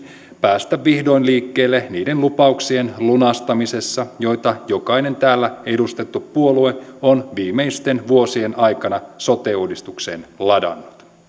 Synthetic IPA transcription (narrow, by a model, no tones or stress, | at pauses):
pæːst̪æʋːihdo̞inliːkːeːlːeniːdenlupɑuksie̞nlunɑst̪ɑmise̞sːɑjo̞jt̪ɑjokɑine̞nt̪æːlːæe̞dust̪e̞t̪ːuppuo̞lueonʋiːmeist̪e̞nʋuo̞sienʔɑjkɑnɑso̞t̪euhdist̪ukseːnlɑdɑ̰nːut̪